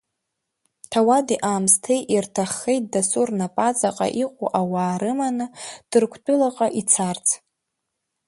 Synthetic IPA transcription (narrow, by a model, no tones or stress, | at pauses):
tʰawadiʔaːmstʰe̞jʔirtʰaχːejt̚dasurnapʼat͡sʼaqʼa̰ʔiqʷʼṵʔawaːɾɨmanɨd̥ɨrkʷʰtʷʼʊlaqʼaʔit͡sʰart͡sʰ